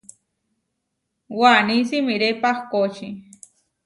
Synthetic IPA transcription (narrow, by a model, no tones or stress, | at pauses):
wanisimiɾepahkot͡ʃi